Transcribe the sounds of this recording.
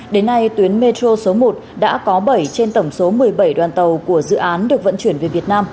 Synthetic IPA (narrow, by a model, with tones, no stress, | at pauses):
ɗe˨˦nːa˧jt̪wi˨˦ənme˧t̪o˧so˨˦mo˨˩t̚ɗa̰ː˧˥kɔ˨˦ɓə˧˩jt͡ɕe˧nt̪ə˧˩wŋ͡mso˨˦mɨ˨˩əjɓə˧˩jɗwaː˨˩nt̪ə˨˩wku˧˩əzɨ̰˧˨ʔaː˨˦nɗɨ˨˩ək̚və̰˧˨nt͡ɕwi˧˩ənve˨˩vi˨˩ət̚naː˧m